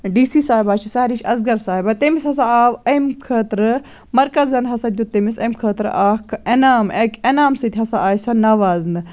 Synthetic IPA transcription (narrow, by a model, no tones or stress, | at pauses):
ɖiːsiːsaːibaːt͡ʃʰisaːɾiʃɐzɡɐɾsaːɦibɐt̪emishɐs̬aaːʋɐmkʰəːt̪ɾɨ | mɐɾkɐzɐnɦɐsɐd̪ʲut̪emisɐmkʰəːt̪ɾ̰ʔaːkʰenaːmeːkenaːmsɨt̪ʲɦɐsaʔaːjsɐnɐʋaːznɨ